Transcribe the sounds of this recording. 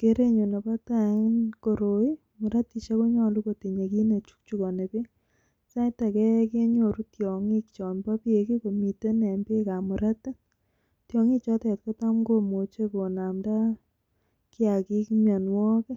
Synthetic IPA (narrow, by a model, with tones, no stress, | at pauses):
ke˦ɾe˦ɲo˨ne˨pa˦ta˨ŋ˦nko˨ɾo˨i˦ | mʊ˨ɾa˦ti˨t͡ʃa˦ko˦ɲɔ˦˨lu˦ko˨ti˨ɲe˨ki˦ne˨t͡ʃu̥˦k̚t͡ʃu˦ko˨ne˨bi˦ | sa˦ta˨kɛ˦ke˦ɲo˨ɾu˦tjɔ˨ŋi˦kt͡ʃɔ˨nba˦pje˨ki˦ko˨mi˨te˦ne˨mbe˦ka˨mʊ˨ɾa˦t | tjɔ˨ŋi˦t͡ʃɔ˦tɛ˨t̚ko˦ta˦mɡo˦mo˨t͡ʃe˦ko˨na˨mda˦ | kɪ˦a˨ki˦kmja˨nwɔ˦ke˦